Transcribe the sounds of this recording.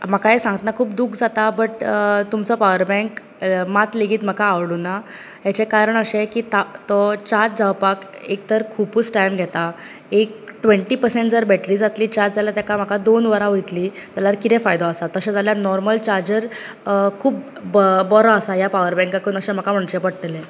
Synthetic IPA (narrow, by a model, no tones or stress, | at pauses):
m̤akaesãŋɡət̪nakʰuːpd̪ukʰd͡zat̪abəʈt̪umt͡sɔpaʋəɾbɛ̃ŋk | mat̪leɡʱiːt̪m̤əkaːʋɽuna | ɦjat͡ɕekaɾəɳəɕẽkiːt̪at̪ɔt͡ɕaɾt͡sd͡zaʋpakek̚t̪əɾkʰuput͡sʈajmɡʱɛt̪a | ek̚ʈʋẽɳʈiːpəɾsẽɳʈ̚d͡zəɾbæʈɾiːd͡zat̪liːt͡ɕaɾd͡zaljat̪jakam̤akad̪onʋəɾaɦojt̪liːd͡zaljaɾkit̪ɛ̃fajd̪ɔasat̪əɕẽd͡zaljanɔɾməlt͡ɕaɾd͡ʑəɾ | kʰuːp | bɔɾɔəsajapaʋəɾbɛ̃ŋkakunəɕem̤akam̤əɳt͡ɕepəɽt̪le